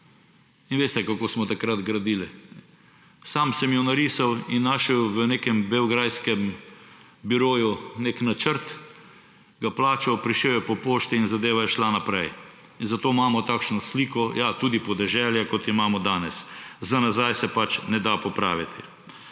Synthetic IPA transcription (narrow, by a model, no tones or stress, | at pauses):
inʋeːst̪ɛkakoːsmɔt̪akɾad̪ɡɾad̪iːli | saːmsɛmjɛnaɾiːsawinːaʃɛwʋənekɛmbɛwɡɾajskɛm | biɾoːjuneknat͡ʃəɾt̪ | ɡaplaːt͡ʃawpɾiʃewjɛpɔpoːʃt̪iːnzad̪eːʋajɛʃlanapɾɛj | inzat̪oːmaːmɔt̪aːkʃnɔsliːkɔjat̪uːd̪ipɔd̪ɛʒɛljakɔt̪imaːmɔd̪aːnɛszanazajsɛpat͡ʃnɛd̪apɔpɾa̰ːʋit̪ʰi